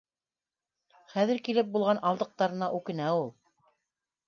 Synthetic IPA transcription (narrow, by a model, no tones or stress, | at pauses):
χæðɘ̆ɾkilɘp̚bulˠʁɑnʔɑlˠd̪ɤ̆q̚t̪ɑɾɤ̆nɑʔʉkɘ̆næulˠ